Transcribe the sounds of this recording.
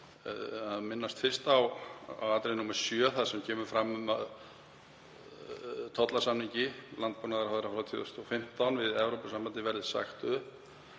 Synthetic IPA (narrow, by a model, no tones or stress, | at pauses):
aðmɪnːast̪fɪrst̪awa̰wat̪ɾejnumɛɾ̥sjœθað̥sɛmcʰɛːmʏɾfɾamːʏmað | t̪ʰɔt̪lasamniɲcɪlant̪̚puːnaðɪɾaðɾafɾat̪ʰjɔ̰ðʏst̪ɔfɪm̥t̪awnvɪðɛvɾowpʏsambant̪ɪvɛɾðɪsa̰xt̪ʏp